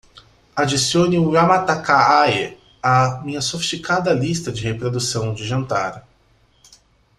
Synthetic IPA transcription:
ad͡ʒisioniuamat̪akaae | ɐmĩɲɐsofist͡ʃikad̪ɐlist̪ɐd͡ʒɪhepɾod̪usɐ̃w̃d͡ʒɪʒɐ̃nt̪a̰ɾ

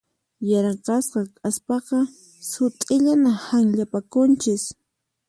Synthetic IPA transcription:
jɑɾqɑsqɑkʼaspɑqɑ | sʊt̪ʼɪʎanahaŋʎapakʊnt͡ʃɪs

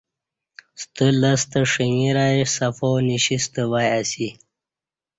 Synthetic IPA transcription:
st̪əlast̪əʂiŋiɾajesafoniɕist̪əwajasi

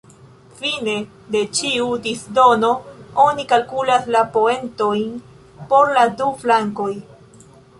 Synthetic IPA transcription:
fine̞ | de̞t͡ʃiudisdo̞no̞o̞nikalkulaslapo̞e̞nto̞jn | po̞ɾladuflaŋko̞j

